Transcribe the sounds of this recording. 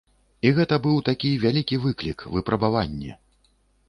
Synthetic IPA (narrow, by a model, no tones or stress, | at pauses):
iɣɛt̪ɐbɨwt̪akʲivʲalʲikʲivɨklʲikvɨpɾɐbavanʲːɛ̰